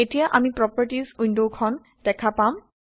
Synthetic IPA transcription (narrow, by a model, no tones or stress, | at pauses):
etijaʔamipɹɔpəɹtizundokʰɔn | d̥ɛkʰapam